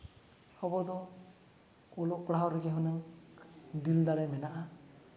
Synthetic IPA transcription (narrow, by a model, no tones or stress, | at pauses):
hɔbɔd̪ɔ | kɔlɔʔkɽaɦɔwɾɛɡɛɦɔnaŋ | d̪ild̪aɽɛmɛnaʔa